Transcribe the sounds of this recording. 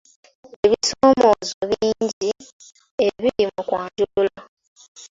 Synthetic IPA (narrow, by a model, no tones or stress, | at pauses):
eβisoːmo̞zoβiːɲɟi | eβiɾimukwaːɲɟulula